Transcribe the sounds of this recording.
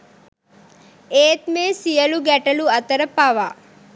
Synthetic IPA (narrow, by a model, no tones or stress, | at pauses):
eːt̪meːsijəluɡæʈɐluɐt̪əɾəpaʋaː